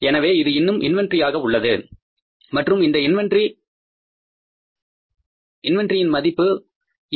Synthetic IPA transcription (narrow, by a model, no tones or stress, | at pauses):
ɛnɐʋeːɪðɯɪnːɯmʔɪ̰nʋɐndrɪjaːɣɐʊɭːɐðɯ | mɐʈrɯmɪnd̪ɐɪnʋɐnɖri | ɪnʋɐndrɪjɪnmɐðɪpːɯ